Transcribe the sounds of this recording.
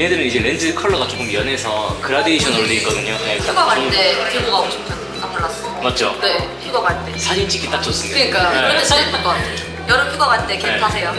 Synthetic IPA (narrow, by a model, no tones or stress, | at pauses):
jeɦedɯɾɯnid͡ʑe̞ɾend͡ʑɯkʰʌɭːʌɣat͡ɕ͈ok͈ɯmjʌnɦe̞sʰʌkɯɾadeiɕʰʌnɯɾodeik͈ʌdɯɲoeauɡ͈aɡaɭt͈ekiɡoɡaot͡ɕʰʌmt͡ɕʰʌn | namuɭːas͈ɯ | mat̚d͡ʑ͈ʰo̰ne̞pʰuɡʌɡaɭt͈e̞sʰad͡ʑint͡ɕ͈ʰikʰit͈ak̚t͡ɕ͈ʌs͈ɯmiɯɲik͈aeait͈ak͈ʌatʰe | jʌɾɯpʰjuɡʌɣaɭt͈e̞keetʰasʰe̞jo